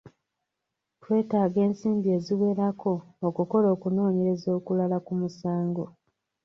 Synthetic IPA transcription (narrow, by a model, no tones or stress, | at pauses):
twe̞ːtaːɡe̞ːnsiːmbie̞ziwe̞ːɾakʰo̞ːkuko̞lo̞ːkuno̞ːɲe̞ɾe̞zo̞ːkulalakumusaːŋɡo̞